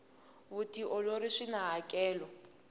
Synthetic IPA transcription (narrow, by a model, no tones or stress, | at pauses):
βutʼiʔɔloɾiʂinaɦakʼɛːlɔ